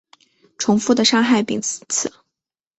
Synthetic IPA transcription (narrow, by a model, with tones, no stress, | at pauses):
ʈ͡ʂʰʊ˧˥ŋfu˥˩d̪ə˨˩ʂɑ˥ŋxa˥˩ɪpḭ˨˩ŋt͡sʰɹ̩˨˩˦